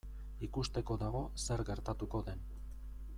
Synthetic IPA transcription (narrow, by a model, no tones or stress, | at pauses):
ikust̪e̞ko̞ðaɣ̞o̞se̞ɾɡe̞ɾt̪at̪uko̞ðe̞n